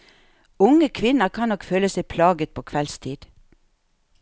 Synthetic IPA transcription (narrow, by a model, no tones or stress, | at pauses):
ʊŋəkʰʋɪnəkʰɑːnnɔkføːləsæɪpʰlɑːɡət̪̚pʰoːkʰʋɛlst̪ʰiːd̪̥